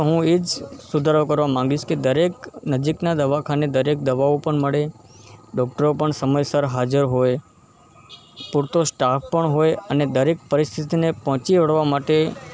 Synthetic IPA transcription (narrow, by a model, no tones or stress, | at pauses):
ɦũed͡ʒsud̪ʱaɾokəɾʋamãŋɡiʃked̪əɾeknəd͡ʒiknad̪əʋakʰaned̪əɾek̚d̪əʋaopəɳməɭe | ɖɔk̚ʈəɾopəɳsəməjsaɾɦad͡ʒəɾɦoj | puɾt̪osʈappəɳɦojəned̪əɾek̚pəɾist̪ʰit̪inepɦɔ̃t͡ʃiʋəɽʋamaʈe